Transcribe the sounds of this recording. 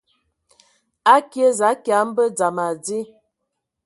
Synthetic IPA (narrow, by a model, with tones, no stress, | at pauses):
a˦kjə˦za˨˦kja˨˦m̩˦bə˦d͡za˨ma˨d͡zi˦